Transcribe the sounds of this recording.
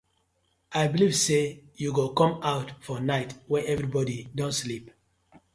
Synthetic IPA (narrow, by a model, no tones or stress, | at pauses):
aɪbilivsejuɡokɔ̃maʊtfɔnaɪtwɛ̃ʔɛvɹibɔdidɔ̃ntslip